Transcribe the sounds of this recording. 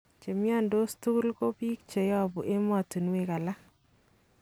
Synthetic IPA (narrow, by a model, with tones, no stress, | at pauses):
t͡ʃe˨mjɔ˦ndo˦stu˦lko˦pi˦kt͡ʃe˨jɔ˦˨bu˨ʔe˦mɔ˨tu˨nwe˦ka˨la˦